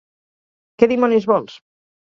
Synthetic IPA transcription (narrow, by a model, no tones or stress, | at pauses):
keðimɔnizβɔlˠs